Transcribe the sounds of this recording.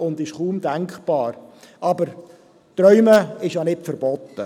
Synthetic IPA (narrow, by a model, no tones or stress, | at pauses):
ʊnd̪ɪʃχuːmd̪æŋkχb̥ɑːɾ | ʔɑbəɾ | t̪ɾœʏməɪʃjanɪtfəɾb̥ɔt̪ːə